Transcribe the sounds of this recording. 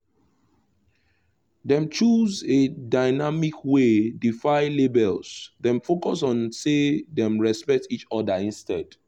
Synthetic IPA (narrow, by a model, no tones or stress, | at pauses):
dɛ̃mt͡ʃuzedaɪnamikʰwedifaɪlebɛlsdɛ̃mfokɔs̬ɔ̃nsedɛ̃mɹɛspɛk̚tit͡ʃɔdaĩnstɛd̥